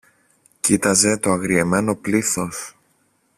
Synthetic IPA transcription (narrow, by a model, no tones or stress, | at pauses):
cit̪ɐze̞t̪o̞ɐɣɾieme̞no̞pliθo̞s